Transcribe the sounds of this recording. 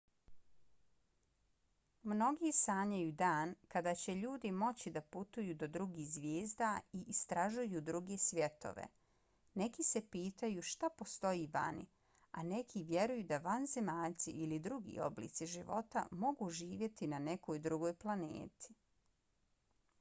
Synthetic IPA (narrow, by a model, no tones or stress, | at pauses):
mno̞ɡisaːɲajuːd̪aːnkad̪aːt͡ɕe̞ʎuːd̪imo̞t͡ɕid̪aput̪ujuːd̪od̪ɾuɡiːxzʋjeːzd̪aiist̪ɾaʒujud̪ɾuɡesʋje̞t̪o̞̰ʋḛ | ne̞kise̞piːt̪ajuʃt̪apo̞st̪o̞jiʋa̰nḭ | a̰ne̞kʰiʋje̞ɾujud̪aʋanze̞maːʎt̪sḭʔilid̪ɾuɡḭːo̞̰blḭːt̪siʒiʋo̞̰t̪a̰mo̞ɡuːʒiːʋje̞t̪inane̞ko̞jd̪ɾuɡo̞ːjplˠanḛːt̪ʰi̥